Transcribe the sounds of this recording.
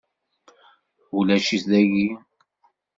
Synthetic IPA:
ulæʃisðæji

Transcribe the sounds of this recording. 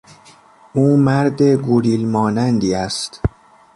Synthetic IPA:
ʔuːmæɾd̪e̞ɡoɾiːlmɒːnænd̪iːæst̪

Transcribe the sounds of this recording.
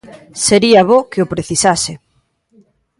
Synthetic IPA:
seɾiɐβokeʊpɾeθisasɪ

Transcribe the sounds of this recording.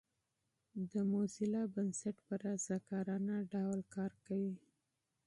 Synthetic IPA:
d̪əmosɪlɑbansaʈpəɾazakɑɾɑnaɖawlkɑɾkawi

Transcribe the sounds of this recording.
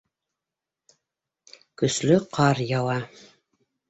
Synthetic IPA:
kɵ̆slɵqʰɑɾjɑwɑ

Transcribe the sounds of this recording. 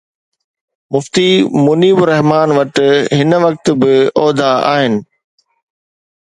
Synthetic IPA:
mʊft̪iːmʊniːbʊɾɛɦmaːnʋɐʈɦɪnəʋɐk̚t̪bɪɔːd̪ʱaa̰ːɦɪnɪ̆

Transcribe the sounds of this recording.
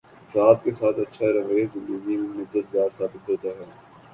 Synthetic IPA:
fɾaːt̪̚kesaːt̪ɐtːʃʰaɾɐʋəezɪ̃nd̪əɡimemʊd̪ːət̪̚ɡ̪aːɾsaːbɪt̪ɦoːt̪aɦɛː

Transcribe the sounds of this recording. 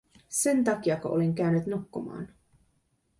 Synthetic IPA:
se̞nt̪ɑk̟iɑkɑʔoleŋk̟æynːyt̪nukːumɑ̰ːn

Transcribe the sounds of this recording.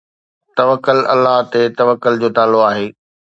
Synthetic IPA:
t̪ɐʋəkːəlɐ̰lːəɦt̪et̪ɐʋəkːʊld͡ʑoːt̪aːloaːɦeː

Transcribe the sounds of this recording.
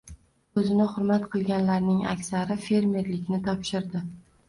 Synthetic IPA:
ɵzɪnɪχʊɾmat̪qʰɨlˠɡʲanlaɾnɪŋa̰kʲsaɾɪfe̞ɾme̞ɾlɪkʲnɪt̪ʰɒpʃɪɾd̪ɪ

